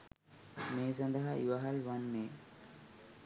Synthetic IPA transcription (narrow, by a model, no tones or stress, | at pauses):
meːs̬ɐnd̪ɐɦɐʔiʋɐɦɐlʋɐnːeː